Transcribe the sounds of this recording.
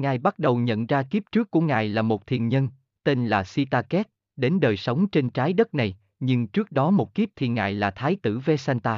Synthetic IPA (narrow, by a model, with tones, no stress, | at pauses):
ŋaː˨˩jɓa˦˥t̚ɗə˨˩wɲə̰˧˨nzaː˧ki˦˥p̚t͡ɕɨ˦˥əkːu˧˩əŋa̰ː˨˩jlaː˨˩mo˨˩t̚t̪ʰḭ˨˩ənɲə˧n | t̪e˧nlaː˨˩si˧t̪aː˧kɛ˦˥t̚ | ɗe˨˦nɗəː˨˩jsə˨˦wŋ͡mt͡ɕe˧nt͡ɕaː˨˦jɗə˦˥t̚na˨˩j | ɲɨ˧ŋt͡ɕɨ˦˥ək̚ɗɔ˨˦mo˨˩t̚ki˦˥p̚t̪ʰḭ˨˩ənŋʔa̰ː˧˨jlaː˨˩t̪ʰaː˨˦jt̪ɨ˧˩ve˧sɛ˧nt̪aː˧